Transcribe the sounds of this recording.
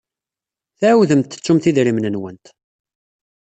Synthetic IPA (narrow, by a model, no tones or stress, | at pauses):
θæwðəmt̪ːə̥t͡sːumθiðɾimnənwənt̪